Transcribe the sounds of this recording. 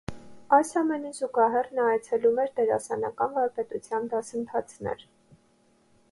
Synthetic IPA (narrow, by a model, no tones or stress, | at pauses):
ɑjsɑmɛnizuɡɑɦɛrnɑjt͡sʰɛlumɛɾd̪ɛɾɑ̰sɑnɑkɑnvɑɾpɛt̪ut͡sʰjɑnd̪ɑsənt̪ʰɑt͡sʰnɛ̰ɾ